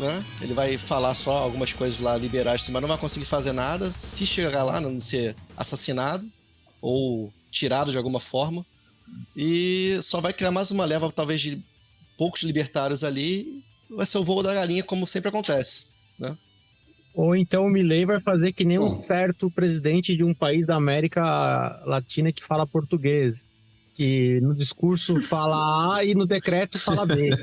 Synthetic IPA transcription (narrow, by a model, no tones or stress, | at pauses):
nɛḛlɪvajfalasɔawɡũmɐskojzɐzlalibeɾajssĩmɐzñvajkõsiɡɪɾfazeɾnad̪ɐsɪʃeɡaɡala̰nɐ̃sea̰sasinad̪ʊ | ow | t͡ʃiɾad̪ʊd͡ʒɪawɡũmɐfɔɾmɐ | ɪsɔvajkɾiaɾmajzũmɐlɛvɐt̪awvezd͡ʒɪ | powkʊz̥libeɾt̪aɾjʊzali | vajseʊvoʊd̪ɐɡalĩɲɐkõmʊsẽmpɾakõt̪ɛsɪ̥ | nɛ | oẽnt̪ɐ̃w̃ʊmilejvajfazeɾkɪnẽj̃ũsɛɾt̪ʊpɾezid̪ẽnt͡ʃɪd͡ʒɪũpaizd̪ɐːmɛɾikɐlat͡ʃĩnɐkɪ̥falɐpoɾt̪uɡez | kɪnʊd͡ʒiskuɾsʊfalɐaɪnʊd̪ekɾɛt̪ʊfalɐbe